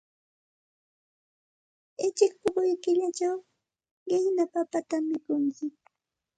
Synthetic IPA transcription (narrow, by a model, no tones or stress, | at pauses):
ɪt͡ʃɪk̚pʊɢʊjkɪʎat͡ʃaw | ɢɪhnapapat̪amːɪkʊŋkɪ